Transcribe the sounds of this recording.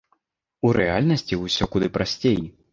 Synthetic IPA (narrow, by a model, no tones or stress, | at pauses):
uɾʔɛalʲnɐsʲt͡sʲiwsʲɔkud̪ɨpɾasʲt͡sʲeji